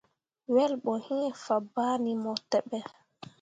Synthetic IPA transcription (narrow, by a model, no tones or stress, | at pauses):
wɛlɓɔhiŋɛfabaːnimɔtːɛɓɛ